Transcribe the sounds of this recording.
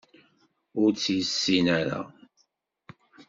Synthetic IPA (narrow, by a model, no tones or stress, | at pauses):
ʊɾt͡sːjəsːinæɾa̰